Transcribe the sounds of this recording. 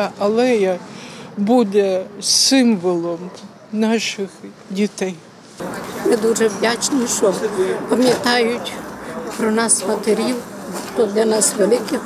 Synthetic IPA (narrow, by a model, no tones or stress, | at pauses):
ɐlˠɛjɐbud̪ɛsɪmʋɔlˠɔm | nɑʃɪx | dʲit̪ɛj | mɪd̪uʒɛʋdʲat͡ʃniʃɔpɐmʲjɐt̪ɑjʊtʲpɾɔnɑsmɐt̪eɾʲiw | t̪ɔd̪lʲɐnɑsʋelˠɪkɪ